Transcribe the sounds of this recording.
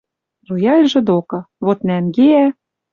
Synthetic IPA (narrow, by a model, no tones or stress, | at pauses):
rujɑlʲʒɤ̆d̪okɤ̆βot̪næmɡeæ